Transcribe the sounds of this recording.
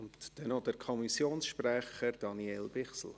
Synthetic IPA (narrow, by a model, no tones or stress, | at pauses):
ʊntd̥ɛnodəɾkʰɔmisjoːnsʃprɛχəɾd̥ɑniɛlbɪχsl̩